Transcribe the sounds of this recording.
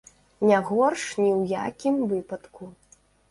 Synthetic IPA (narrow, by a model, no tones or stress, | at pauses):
nʲaɣɔrʂnʲiwja̰kʲimvɨpɐt̪ku